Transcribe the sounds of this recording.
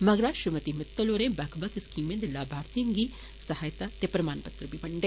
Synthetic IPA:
mɐɡɾaːʃɪmət̪imɪt̪ːoloːɾẽːbɛkʰbɐt̪ɪskiːmẽːnd̪elaːbʱaːɾt̪ijə̃ŋɡiː | sɐhaːjt̪at̪eːpɾɐmaːnpɐt̪ɾəbibɐɳɖeː

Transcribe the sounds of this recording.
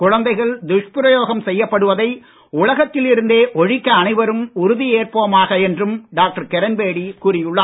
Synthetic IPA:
kʊɻɐnd̪ɐɪɣɐɭd̪ʊʂpɪɾɐjoːɣɐmsɛjːɐpːɐɽɯʋɐðɐɪ | ʊɭɐɣɐt̪ːɪlɪɾɯnd̪eːʔɔɻɪkːɐːɳɐɪʋɐɾɯmʊɾʊðieːrpoːmaːɣɐɛndrɯmɖaːk̚ʈɐɾkɛɾɐnbeːɽikuːɾɪjɯɭːɐː

